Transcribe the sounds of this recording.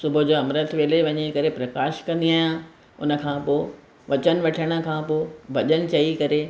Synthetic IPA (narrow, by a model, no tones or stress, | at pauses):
sʊbʱʊd͡ʑoːɐmɾət̪ʰʋeːleʋɐɲekɐɾepɾɐkaːʃkɐ̃nd̪iaːjã | ʊnə̆kʰãːpoɪ | ʋɐt͡ɕənɪ̆ʋɐʈʰəɽ̃ə̆kʰãːpoːʋɐʄənɪ̆t͡ɕɐikɐɾe